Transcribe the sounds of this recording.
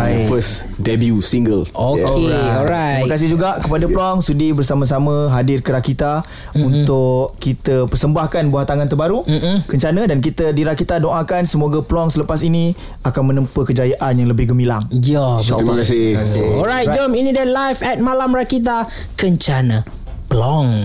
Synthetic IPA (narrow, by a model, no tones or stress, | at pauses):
bafəs | dɛbjusiŋɡəloeɔɾaməkas̬ɪhd͡ʒuɡaʔkəpadaplɔŋsədibərsamə̃s̬amə̃ɦadɪrkəɾakit̪a | unt̪ʊʔkit̪əpərsəmbahkanbuat̪aŋant̪ərbaɾukəɲt͡ʃanə̃dankit̪ədiɾakit̪adoʔakansəmoɡəplɔŋsələpasini | akanmə̃nəmpəkəd͡ʒajaʔanjaŋləbɪhɡəmilaŋd͡ʒɔkasɪɔɾajtd͡ʒɔminidalajfɛt̪̚malamrakit̪̬a | kəɲt͡ʃanə̃ | plɔŋ